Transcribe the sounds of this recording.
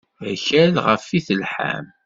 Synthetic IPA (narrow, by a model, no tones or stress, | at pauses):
æçælʁəfiθəlħa̰m